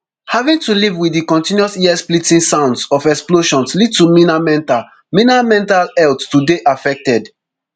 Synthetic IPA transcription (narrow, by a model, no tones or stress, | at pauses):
havĩŋtulivwiðikɔ̃ntĩnjuɔsiɛsplitĩnsãʊ̃ndsɔfɛksploʃɔ̃nslid̚tuminamɛ̃ntal | minamɛ̃ntalɛlttudeʔafɛk̚tɛd